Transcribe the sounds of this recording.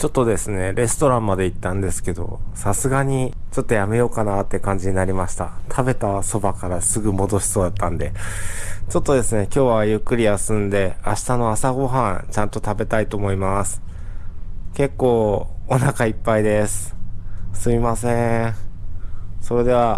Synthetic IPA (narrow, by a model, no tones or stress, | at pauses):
t͡ɕo̞t̪ːo̞d̪e̞sɨne̞ɾe̞sɨ̥t̪o̞ɾãmmad̪e̞it̪ːãnd̪e̞sɨ̥ke̞d̪o̞̰sasɨɡaɲ̟it͡ɕo̞t̪ːo̞jame̞jo̞kanat̪ːe̞kãɲ̟d͡ʑiɲ̟inaɾʲimaɕi̥t̪a̰t̪ʰabe̞t̪aso̞bakaɾasɨɡɯ̟mo̞d̪o̞ɕi̥so̞ːd̪at̪ːãnd̪e̞ | t͡ɕo̞t̪ːo̞d̪e̞sɨne̞kʲo̞ːβajɯ̟kːɯ̟ɾʲijasɨ̃nd̪e̞aɕi̥t̪ano̞asaɡo̞ɦãt͡ɕãnt̪o̞t̪abe̞t̪ait̪o̞ːmo̞imasɨ̥ | ke̞kːo̞ːonakaipːaid̪e̞sɨ̥ | sɨmʲimasẽ | so̞ɾe̞d̪e̞βa